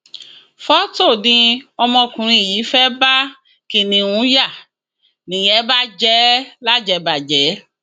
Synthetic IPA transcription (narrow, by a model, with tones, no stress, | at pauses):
fɔ˦to˦˨nĩ˧ɔ˧mɔ̃˧kũ˨ɾ̃ĩ˧˨jiː˨˦fɛ˦ba˦ | ki˧˨nĩ˧wũ˨˦ja˦˨ | nĩ˨jɛ˦ba˦d͡ʒɛ˨˦la˦d͡ʒɛ˧˦ba˨d͡ʒɛ˨˦